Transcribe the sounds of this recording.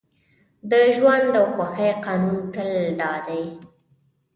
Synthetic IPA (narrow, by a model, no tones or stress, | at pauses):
d̪əʒwand̪awxwaxajqɑnunkəld̪ɑd̪aj